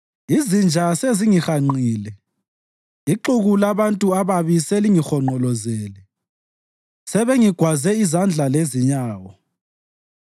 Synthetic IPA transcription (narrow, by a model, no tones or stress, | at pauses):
izind͡ʒʱaseziŋixaŋ͡ǃiːlɛ | iǃuɣulaβantʼuaβaβisɛliŋixɔŋ͡ǃʱɔlɔzɛːlɛ | sɛβeŋiɡ̥ʱwazɛizand͡ɮʱaleziɲaːwɔ